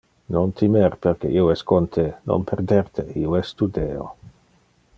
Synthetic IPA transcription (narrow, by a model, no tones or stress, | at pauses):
nont̪ʰimeɾpeɾkeʔioɛskont̪ʰeno̰npʰerd̪ert̪ʰeioɛst̪ud̪eːo̰